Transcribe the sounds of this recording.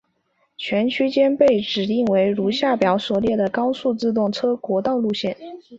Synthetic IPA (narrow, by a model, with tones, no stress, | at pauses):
t͡ɕʰɥɛ˧˥nt͡ɕʰy˥t͡ɕjɛ˥npe˥˩ɪʈ͡ʂɻ̩˨˩t̪i˥˩ŋwe˧˥ɪɻu˧˥ɕja˥˩pjɑ˧˥ʊswɔ˨˩ljɛ˥˩d̪ə˩kɑ˥ʊsu˥˧t͡sɹ̩˥˧t̪̬ʊ˥˩ŋʈ͡ʂʰɤ˥kwɔ˧˥t̪ɑ˥˧ʊlu˥˧ɕjɛ˥˩n